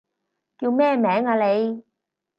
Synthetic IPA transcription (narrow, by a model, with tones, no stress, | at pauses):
ki˧˨˦mɛː˧˨mɛː˨˦ŋaː˨le˨˦j